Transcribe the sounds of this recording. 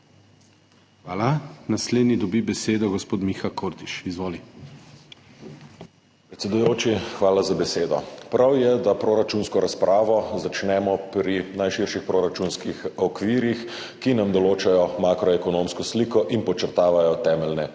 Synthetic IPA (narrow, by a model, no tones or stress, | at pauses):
xʋaːlanasleːd̪nid̪ɔbibɛseːd̪ɔɡɔspoːt̪mixakʰoːɾt̪iʃizʋoːli | pɾɛt̪sʲɛd̪ujoːt͡ʃixʋaːlazabɛseːd̪ɔ̰pɾawjɛd̪apɾoːɾat͡ʃunskɔɾaspɾʔaːʋɔzat͡ʃnɛmɔpɾinajʃiɾʃixpɾoːɾat͡ʃunskixɔkʋiːɾjix | kinamd̪ɔloːt͡ʃajɔmaːkɾɔɛkɔnoːmskɔsliːkɔʔinpɔt͡ʃəɾt̪aːʋajɔt̪ɛːmɛlnɛ